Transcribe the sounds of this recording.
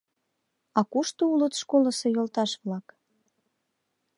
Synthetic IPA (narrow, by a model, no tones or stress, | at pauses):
ɑkuʃt̪oulət̪ʃkolɤ̆sɤ̆jolt̪ɑʃβlɑk